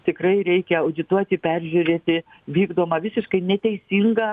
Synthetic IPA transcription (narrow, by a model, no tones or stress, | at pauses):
t̪ʲɪkrɐɪɾʲɛɪkʲɛɐʊd̪ʲɪt̪uɔt̪ʲɪpʲɛrʲʒʲʉɾʲeːt̪ʲɪ | ʋʲiːɡd̪oːmɐʋʲɪsʲɪʃkɐɪnʲɛt̪ʲɛɪsʲiŋɡɐ